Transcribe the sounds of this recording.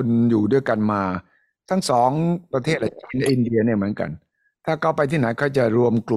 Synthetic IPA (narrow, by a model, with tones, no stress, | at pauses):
u˧njuː˨˩du˥˩əjka˧nmaː˧ | t̪ʰa˥˩ŋsɔː˩˦ŋpɾa˧t̪ʰeː˥˩t̪̚la˨˩t͡ɕʰiː˦˥nlɛ˦˥˩ʔi˧ndi˧ɐni˥˩mɯ˩˦ənka̰˧n | t̪ʰaː˥˩ka˧˥˩wpa˧jt̪ʰiː˥˩na˩˦jkʰaː˥˩wt͡ɕa˨˩ɾu˧əmklu˨˩